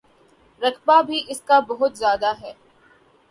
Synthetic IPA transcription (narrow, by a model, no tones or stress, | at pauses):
ɾɐkbabʱiʔɪskabɐɦʊt̪zjaːd̪aɦɛː